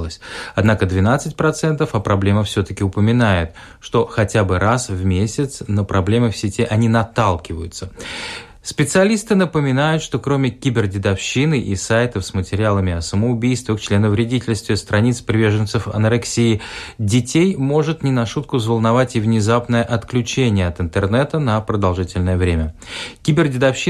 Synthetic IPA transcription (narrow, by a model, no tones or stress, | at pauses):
lˠəsʲɐd̪nakəd̪vʲɪnat̪sɨtʲpɾɐt̪sɛnt̪əfɐpɾɐblʲe̞məfsʲɵt̪əkʲɪʊpəmʲɪnajɪt̪ | ʂt̪o̞xɐtʲabɨɾasvmʲesʲɪt̪snəpɾɐblʲe̞mɨfsʲɪtʲiʔɐnʲinɐt̪alˠkʲɪvəjʊt̪sə | spʲɪt̪sɨɐlʲist̪ɨnəpəmʲɪnajʊt̪ʂt̪o̞kɾo̞mʲɪkʲibʲɪrdʲɪd̪ɐfɕːinɨʔisajt̪əfsmətʲɪɾʲɪalˠəmʲɪɐsəməʊbʲijst̪vʲɪkt͡ɕlʲenəvɾʲɪdʲitʲɪlʲst̪vʲɪst̪ɾɐnʲit̪spɾʲɪvʲe̞ʐɨnt̪sɨfɐ̰nɾɨksʲiːdʲɪtʲejmo̞ʐɨt̪nʲɪnɐʂut̪̚kʊzvəlˠnɐvatʲɪvnʲɪzapnəjəʔɐt̪klʲʉt͡ɕenʲɪjəɐt̪ɨnt̪ɨrnɛt̪ənəpɾəd̪ɐlˠʐɨtʲɪlʲnəjəvɾʲemʲəkʲɪbʲɪrdʲɪd̪ɐfɕːi